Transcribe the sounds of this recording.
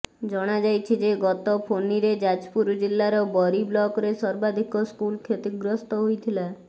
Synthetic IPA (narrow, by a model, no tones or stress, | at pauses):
d͡ʒɔɽ̃ad͡ʒajt͡ʃʰid͡ʒeɡɔt̪ɔpʰoniɾed͡ʒad͡ʒpuɾd͡ʒilːaɾɔbɔɾiblɔkɾesɔɾbad̪ʱikɔskulkʰet̪iɡɾɔst̪ɔɦujt̪ʰila